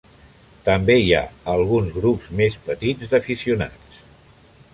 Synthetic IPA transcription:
t̪əmbeia̰əlˠɣ̞unzɣɾupzmespət̪id͡zd̪əfisiuna̰t͡s

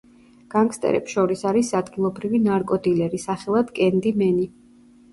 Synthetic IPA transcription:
ɡ̥aŋkst̪ʼɛ̰ɾɛ̰psʃɔɾisaɾisad̪ɡilˠɔbɾivinaɾkʼɔd̪ilɛɾisaχɛlˠad̪kʼɛnd̪imɛni

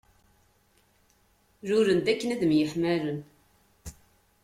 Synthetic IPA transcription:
ɾʊɾənd̪ækːənæðmjəħmæɾən

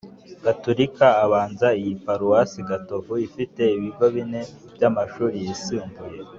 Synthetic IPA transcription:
ɡ̥atoɾikaːβaːnzaijipaɾuwasiɡatovuifite̞iβiɡo̞βine̞ | bɟamaʃuːɾijisiːmbuje̞

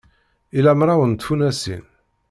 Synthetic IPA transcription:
ilæmɾˤawənt̪funæsḭn

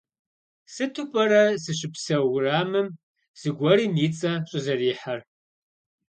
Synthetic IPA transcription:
sɨtʰupʼɐɾɐzɨɕʼɪpsɐwraːmɨm | z̥ɨɡʷɐɾiːnit͡sʼɐɕʼɪzɐriːħar

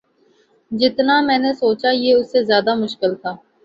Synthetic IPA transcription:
d͡ʒɪt̪namɛ̃ːnesoːt͡ʃajeʊsːezjaːd̪amʊʃkɪlt̪ʰaː

